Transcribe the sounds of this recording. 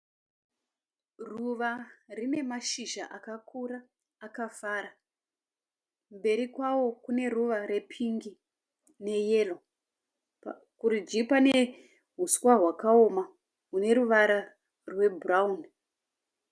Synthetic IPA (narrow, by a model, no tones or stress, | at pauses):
ruʋarine̞maʃiʒaʔakakʰuɾaː | kafaːɾa | mbe̞ɾikwawo̞kune̞ruʋaɾe̞pʰiŋɡi | ne̞je̞lo | kuɾid͡ʒipane | ɦuskwaɦwakaoma | ɦune̞ɾuʋaɾa | rwe̞buraun